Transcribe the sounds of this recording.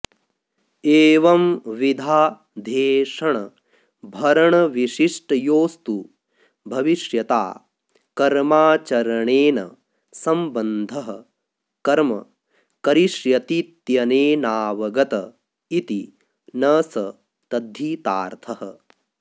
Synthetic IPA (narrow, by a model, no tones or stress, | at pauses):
eːʋɐmʋid̪ʱaː | d̪ʱeːʂɐɳɐ | bʱɐɾɐɳɐʋiʃiʂʈɐjoːst̪u | bʱɐʋiʃjɐt̪a̰ː | kɐɾmaːt͡ʃɐɾɐɳeːnɐ̰ | sɐmbɐnd̪ʱɐɦɐ | kɐɾmɐ̰ | kɐɾiʃjɐt̪it̪jɐneːnaːʋɐɡɐt̪ɐ | it̪i | nɐsɐ | t̪ɐd̪ʱːiːt̪aːɾt̪ʰɐhɐ